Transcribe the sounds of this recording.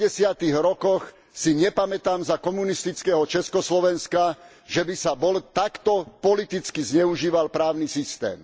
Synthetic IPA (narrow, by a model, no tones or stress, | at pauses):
ɛsɪat̪iɣɾɔkɔx | siɲɛpamɛt̪aːmzakɔmunist̪it͡skɛːɦɔt͡ʃɛskɔslɔʋɛnska | ʒɛbisabɔlt̪akt̪ɔpɔlit̪it͡skizɲɛuʒiːʋalpɾaːʊnisist̪ɛ̰ːm